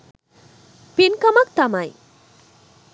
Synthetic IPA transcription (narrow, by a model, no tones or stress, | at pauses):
pinkʌmak̚t̪amaj